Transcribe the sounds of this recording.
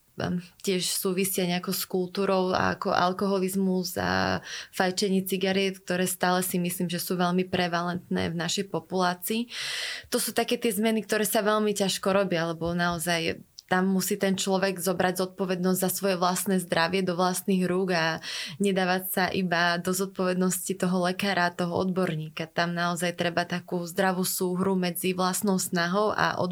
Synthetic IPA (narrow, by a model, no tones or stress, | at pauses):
cɪɛʃsuːʋisɪajɲɛakɔskulˠt̪uːɾɔʊa̰a̰kɔ̰ʔa̰lkɔɦɔlizmuza̰fajt͡ʃɛɲiːt͡siɡaɾɛt̪k̚t̪ɔɾɛːst̪aːlɛsimisliːmʒɛsuːʋɛʎmipɾɛʋalɛnt̪nɛ̰ːvnaʃɛjpɔpulaːt͡siːt̪ɔsuːt̪akɛːt̪ɪɛzmɛnik̚t̪ɔɾɛːsaʋɛʎmicaʃkɔɾɔbjaalɛbɔnaɔzajt̪amːusiːt̪ɛnt͡ʃlɔʋɛɡzɔbɾaɟzɔt̪̚pɔʋɛd̪nɔzɟzasʋɔjɛʋlasnɛːzd̪ɾaʋɪɛd̪ɔʋlasniɣɾuːɡaɲɛd̪aːʋacsaʔibad̪ɔzɔt̪̚pɔʋɛd̪nɔscit̪ɔɦɔlɛkaːɾat̪ɔɦɔɔ̰d̪bɔɾɲiːkat̪amnaɔzajt̪ɾɛbat̪akuːzd̪ɾaʋuːsuːɦɾumɛd͡ziʋlasnɔʊsnaɦɔʊʔa̰ʔɔ̰